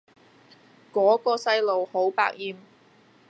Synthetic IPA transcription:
kɔː˨˥kɔː˧sɐ˥jlo˨who˨˥wpa̰ː˧k̚jiː˨˩m

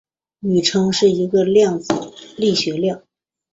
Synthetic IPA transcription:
ny˨˩ʈ͡ʂʰɤ˥ŋʂɻ̩˥˩i˧˥ɡə˧ljɑ˥˩ŋt͡sɹ̩˨˩˦li˥˩ɕɥɛ˧˥ljɑ˥˩ŋ

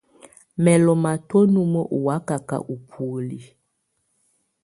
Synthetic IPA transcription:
mɛ˨lɔ˨ma˨two˦nu˦mə˦ʔu˨wa˨˦ka˨ka̰˨ʔu˨pʰu˨li˨

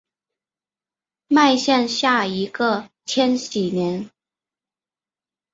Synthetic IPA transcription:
ma˥˧ɪɕja˥˧nɕja˥˩i˧˥ɡə˧t͡ɕʰjɛ˥nɕi˨˩njɛ˧˥n

